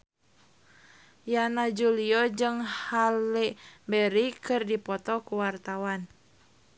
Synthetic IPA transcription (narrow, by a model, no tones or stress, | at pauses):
janad͡ʒuliɔd͡ʒɨŋhalɛbɛɾikɨrdipɔt̪ɔkuwart̪awan